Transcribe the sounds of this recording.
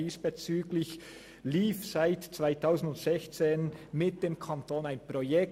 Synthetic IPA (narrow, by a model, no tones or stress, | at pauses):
iːsb̥ɛt͡syːɡlɪç | liːfsaɪtt͡svaɪtʰaʊsn̩dʊntsɛçt͡seːnmɪt̚d̥eːmkʰɑntoːnaɪnpʁojɛk